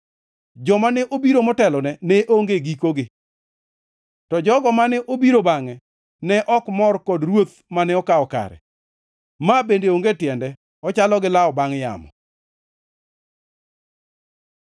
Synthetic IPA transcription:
d͡ʒɔmanɛʔobiɾomɔtɛlɔnɛnɛʔoŋɡeɡikoɡɪ | tɔd͡ʒɔɡɔmanɛʔobiɾobaŋɛ | nɛʔɔkmɔrkɔdrwot̪ | manɛɔkaɔka̰ɾɛ̰ | mabendeoŋɡetjɛndɛ | ɔt͡ʃalɔɡɪlaɔbaŋja̰mɔ̰

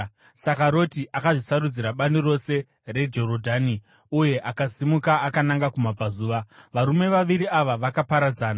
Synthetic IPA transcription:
sakaɾo̞tiʔakaʐisaɾud͡ziɾaɓaniro̞se̞ | re̞d͡ʒo̞ɾodʱaːni | uje̞ʔakasimukaːkanaŋɡakumab͡vazuːʋaʋaɾume̞ʋaʋiɾiaʋaʋakapaɾad͡zaːna

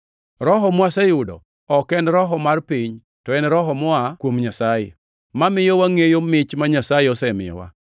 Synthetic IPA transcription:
ɾɔɦɔmwasɛjʊdɔ̰ | ɔkɛnɾɔɦɔmarpiɲ | tɔɛnɾɔɦɔmʊakwomɲasajḛ | mamɪjowaŋejomɪt͡ʃmaɲasajɛɔsɛmɪ̰jɔ̰wa̰

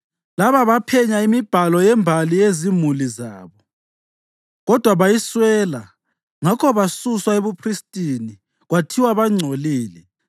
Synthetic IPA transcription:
laβaβapʰɛɲaimib̥ʱalɔjɛmbʱalijezimuliza̰ːβɔ | ɣɔd̥ʱwaβajiswɛːla | ŋakʰɔβasuswaeβupʰristʼini | ɣwatʰiwaβaŋ͡ǀʱoliːlɛ

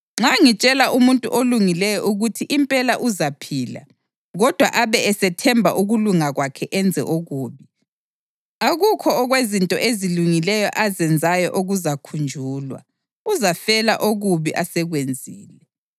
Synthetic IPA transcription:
ŋ͡ǁaŋit͡ʃʼɛlaʔumuntʼṵʔoluŋilɛjɔʔuɣutʰiʔimpʼɛlaʔuzapʰiːla̰ | ɣɔd̥ʱwa̰ʔaβɛɛsɛtʰɛmbʱa̰ʔuɣuluŋaɣwakʰɛʔɛnd͡zʱɛ̰ʔoɣuːβi | aɣukʰɔːɣwezintʼɔʔeziluŋilɛjɔʔazɛnd͡zʱajɔʔoɣuzakʰund͡ʒʱuːlwa̰ | uzafɛla̰ʔoɣuβiʔasɛɣwend͡zʱiːlɛ

